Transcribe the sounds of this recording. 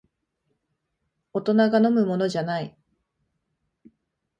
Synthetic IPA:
ot̪o̞naɡano̞mɯ̟mo̞no̞ʑanai

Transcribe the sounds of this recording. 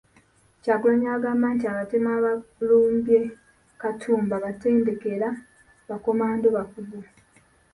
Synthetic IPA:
caɡulaɲaːɡamaːntiaβatemaβaluːmbje̞ | katʰuːmbaβate̞ːnde̞ke̞ɾa | βako̞maːndoβakuzo

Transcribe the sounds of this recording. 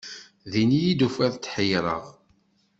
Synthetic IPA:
ðinijid̪ufæðt͡sːħəjɾˤə̰ʁ

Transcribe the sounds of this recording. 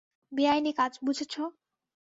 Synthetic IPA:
biajnikad͡ʑbud͡ʑʱet͡ɕʰo

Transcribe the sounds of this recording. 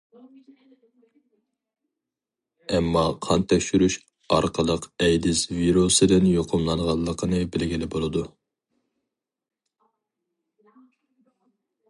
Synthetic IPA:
ɛmːɑqʰɑnt̪ʰɛkʲʃyɾyʃ | ɑɾqʰəlˠəqɛjd̪ɪsviɾosɨd̪ɪnjoqʰʊmlˠɑnʁɑlˠːəqʰənɨbɪlɡʲilɪbolˠɨd̪u

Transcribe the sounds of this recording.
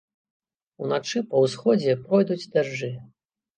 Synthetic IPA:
unat͡ʂɨpɐwsxɔd͡zʲɛpɾɔjd̪ud͡zʲd̪aʐːɨ

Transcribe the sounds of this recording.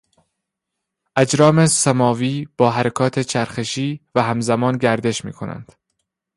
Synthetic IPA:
ʔæd͡ʒɾɒːmesæmɒːviːb̥ɒːɦæɾekʰɒːt̪ʰe̞t͡ʃʰæɾxe̞ʃiːvæɦæmzæmɒːnɟæɾd̪e̞ʃmḭːkʰo̞næ̰nd̪̥

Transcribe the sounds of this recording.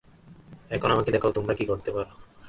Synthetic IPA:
ɛkʰonamaked̪ɛkʰaot̪omɾakikoɾt̪epaɾo

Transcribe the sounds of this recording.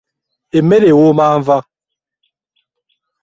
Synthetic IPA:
emeɾewomaːɱ̩va

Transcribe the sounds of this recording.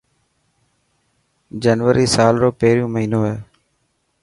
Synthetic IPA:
d͡ʒənʋəɾiːsaːlɾoːpeɦɾɪjũːməɦiːnoːɦeː

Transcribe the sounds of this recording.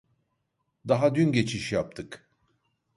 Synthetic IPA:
d̪aɦad̪ynɟe̞t͡ʃʰiʃjap̚t̪ʰɯk

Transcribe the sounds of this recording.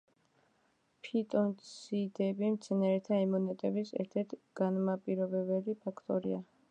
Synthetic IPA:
pʰit̪ʼɔnt̪sʰid̪ɛbimt̪sʰɛnaɾɛt̪ʰaɛmɔnɛt̪ʼɛbisɛ̰ɾt̪ʰɛɾt̪ʰɡ̥anmapʼiɾɔbɛbɛlipʰakʰt̪ʼɔɾia

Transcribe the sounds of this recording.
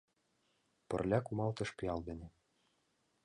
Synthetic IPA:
pɤ̰̆rlʲækumɑlˠt̪ɤ̆ʃpiɑlˠbɘ̆nɘ̆

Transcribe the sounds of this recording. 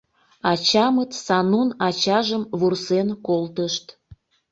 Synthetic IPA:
ɑt͡ɕɑmət̪sɑnunɑt͡ɕɑʒəmβursenkolt̪əʃt̪

